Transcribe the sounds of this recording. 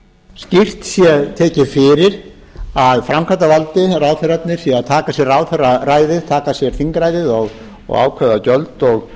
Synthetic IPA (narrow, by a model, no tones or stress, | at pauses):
scir̥t̪sjɛðt̪ʰɛːcɪfɪɾɪɾ | aðfɾamkʰant̪avalt̪ɪraːwθɛrat̪nɪɾ̥sjɛaðt̪ʰaːkasjɛɾaːwθɛrːaraːjðɪðt̪ʰaːkasjɛɾ̥θiŋkɾajðɪðɔɣ | ɔ̰ɣa̰ːwkʰɛðacœlt̪ɔɣ